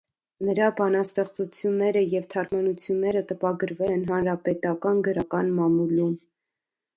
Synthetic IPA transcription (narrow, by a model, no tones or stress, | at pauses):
nəɾɑbɑnɑst̪ɛχt͡sut͡sʰjunːɛɾəjɛvt̪ʰɑɾmɑnut͡sʰjunːɛɾət̪əpɑɡəɾvɛlɛnɦɑnɾɑpɛt̪ɑkɑnɡəɾɑkɑnmɑmulim